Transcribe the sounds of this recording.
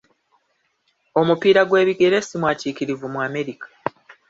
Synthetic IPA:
o̞mupiːɾaɡwe̞ːβiɡe̞ɾe̞simwaːciːkiɾivumwaːme̞ɾikḁ

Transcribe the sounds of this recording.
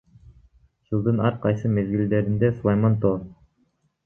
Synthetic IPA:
d͡ʒɯlˠd̪ɯnɑɾqɑjsɯmezɡild̪eɾind̪ɛsulˠɑjmɑnt̪oː

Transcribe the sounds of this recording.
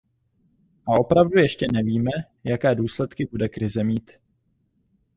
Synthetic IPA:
ʔaʔo̞pɾavdujɛʃcɛnɛviːmɛ | jakɛːduːslɛt̪kɪbudɛkɾɪzɛmiːt̪

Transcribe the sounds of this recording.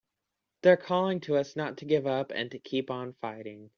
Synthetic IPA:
ðə˞kʰɔlˠɪ̃ŋtʰəʌsnətʰɨɡɪvʌpɨ̰̃ntʰɨkʰipn̩faɪɾɪ̃ŋ

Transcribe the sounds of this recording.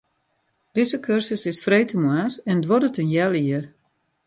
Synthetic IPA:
d̥ɪzəkʰørsəsɪsfreːtʰəmwasɛndʋɔdətənjɛlˠiər

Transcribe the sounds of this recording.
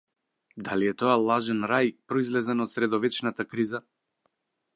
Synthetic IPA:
d̪aliɛt̪ɔalˠaʒɛnɾajpɾɔizlɛzɛnɔt̪sɾɛd̪ɔvɛt͡ʃnat̪akɾiza

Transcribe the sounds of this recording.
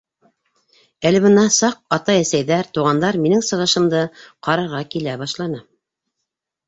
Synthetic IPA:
ælɘ̆βɤ̆nɑsɑq̚ɑt̪ɑjæsæjðæɾt̪uʁɑnd̪ɑɾminɘŋsɤ̆ʁɤ̆ʃɤ̆md̪ɤqɑɾɑɾʁɑkilæbɑʃlˠɑnɤ

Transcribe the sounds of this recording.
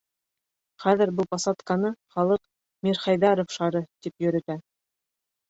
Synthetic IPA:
χæðɘ̆ɾbɤlˠpɑsɑt̪kɑnɤχɑlˠɤq | mʲiɾχɑjðɑɾofʃɑɾɤt̪ipjɵ̆ɾɘ̆t̪æ

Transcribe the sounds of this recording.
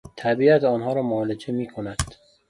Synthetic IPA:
t̪ʰæbiːæt̪ɒːnɦɒːɾɒːmoːlet͡ʃʰemiːkʰonæd̪̥

